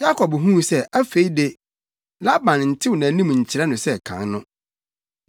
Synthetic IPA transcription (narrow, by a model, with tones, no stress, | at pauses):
ja˦kʰɔ˨bɦũ˦˨sɛ˦æ˦fe˨˦i˦de˦ | la˦bã˨n˨n̩˨tʰɪ˦wnã˨˦nĩ˦m˨ɲ̩˨t͡ɕʰi˨ɾɛ˦nʊ̃˨sɛ˦kʰã̰˨nnʊ̃˦